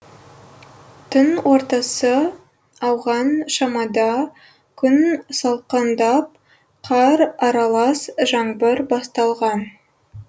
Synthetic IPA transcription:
t̪ʰʊnwo̞ɾt̪ɑsə | ɑwʁɑnʃɑmɑd̪ɑ | kʲʰʏnsɑlˠqɑnd̪ɑp̚ | qʰɑɾɑɾɑlˠɑsʒɑɴbəɾbɑst̪ɑlˠʁɑn

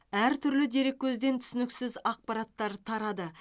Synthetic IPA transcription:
æɾt̪ʰʏɾlɪd̪e̞ɾe̞k̚ʲːʰɵzd̪e̞nt̪ʰʏ̥sɪnɪksɪzɑq̚pɑɾɑt̪ːɑɾt̪ʰɑɾɑd̪ə

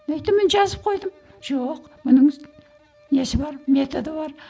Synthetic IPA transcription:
æjt̪ːɪmɪnʒɑzəp̚qʰo̞jd̪əm | ʒ̥oq | mʊnəɴ | ne̞sɪbɑɾme̞t̪o̞d̪əbɑɾ

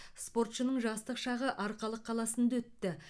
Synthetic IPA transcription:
spo̞rt̪ʃənəɴʒɑst̪əqʃɑʁəʔɑɾqɑlˠəqʰːɑlˠɑsənd̪ɑɵt̪ːɪ

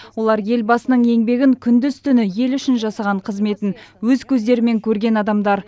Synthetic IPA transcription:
wo̞lˠɑɾje̞lbɑsənəɴe̞ŋbe̞ɡʲɪŋkʲʰʏnd̪ɪz̥t̪ʰʏnɪje̞lʏʃɪnʒɑsɑʁɑɴqʰəzme̞t̪ɪnwɵzkʲʰɵzd̪e̞ɾɪme̞ŋkʲʰɵɾɡʲe̞nɑd̪ɑmd̪ɑɾ

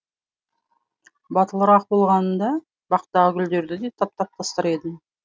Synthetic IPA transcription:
bɑt̪əlˠəɾɑq̚bo̞lˠʁɑnənd̪ɑ | bɑqt̪ɑʁəɡʲʏld̪e̞ɾd̪ɪd̪e̞t̪ʰɑp̚t̪ɑp̚t̪ʰɑst̪əɾe̞d̪ɪm

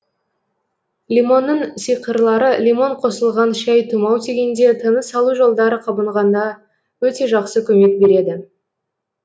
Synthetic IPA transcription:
lʲimo̞nːəɴsijqəɾlˠɑɾəlʲimo̞ɴqʰo̞səlˠʁɑnʃæjt̪ʰumɑwt̪ʰeɡʲe̞nd̪e̞t̪ʰənəsɑlˠuʒo̞lˠd̪ɑɾəqʰɑbəɴʁɑnd̪ɑ | wɵt̪e̞ʒɑqsəkʲʰɵme̞k̚be̞ɾe̞d̪ɪ

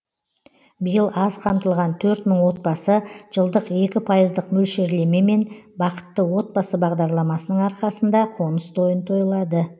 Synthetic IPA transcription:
bəjəlˠɑzqʰɑmt̪əlˠʁɑnt̪ʰɵɾt̪məɴwo̞t̪̚bɑsəʒ̥əlˠd̪əqe̞kʲɪpʰɑjəzd̪əqmɵlʃe̞ɾle̞me̞me̞nbɑqə̥t̪ːəwo̞t̪̚bɑsəbɑʁd̪ɑɾlˠɑmɑsənəɴɑɾqɑsənd̪ɑqʰo̞nəst̪ʰo̞jənt̪ʰo̞jəlˠɑd̪ə

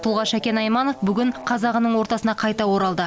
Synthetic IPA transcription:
t̪ʰʊlˠʁɑʃækʲe̞nɑjmɑno̞fbʏɡʲɪɴqʰɑzɑʁənəɴwo̞ɾt̪ɑsənɑqʰɑjt̪ɑwo̞ɾɑlˠd̪ə

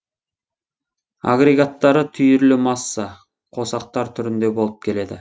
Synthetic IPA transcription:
a̰ɡre̞ɡat̪ːɑɾət̪ʰʏjʏɾlɪmɑsːɑ | qʰo̞sɑq̚t̪ɑɾt̪ʰʏɾɪnd̪e̞bo̞lˠəp̚kʲʰe̞le̞d̪ɪ

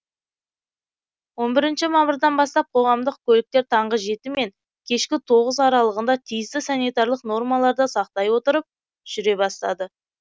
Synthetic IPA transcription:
wo̞nbɪɾɪnʃɪmɑbəɾd̪ɑnbɑst̪ɑp̚qʰo̞ʁɑmd̪əq̚kʲʰɵlɪk̚t̪e̞ɾt̪ʰɑɴʁəʒe̞t̪ɪme̞ŋ | kʲʰe̞ʃkʲɪt̪ʰo̞ʁəzɑɾɑlˠəʁənd̪ɑt̪ʰijɪst̪ɪsɑnijt̪ɑɾlˠəqno̞rmɑlˠɑɾd̪əsɑqt̪ɑjwo̞t̪əɾəp̚ | ʒ̥ʏɾe̞bɑst̪ɑ̰d̪ə

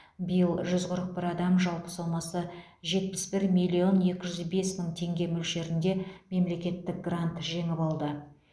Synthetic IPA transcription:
bɪjəlˠʒʏzqʰʊɾəq̚bɪɾɑd̪ɑmʒɑlˠpə̥sɑlˠmɑsə | ʒe̞t̪̚pɪ̥sbɪɾmijlʲːio̞nje̞kʲɪʒʏzbe̞smɪŋt̪ʰe̞ŋɡʲe̞mʏlʃe̞ɾɪnd̪e̞me̞mle̞kʲe̞t̪ːɪk̚ɡrant̪ʒe̞ŋɪpɑlˠd̪ə

